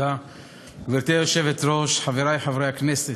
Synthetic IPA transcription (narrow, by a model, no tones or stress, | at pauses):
a | ɡ̥viɾt̪eoʃɛvɛt̪ɾoʃħaveɾajħavɾejaknɛsɛ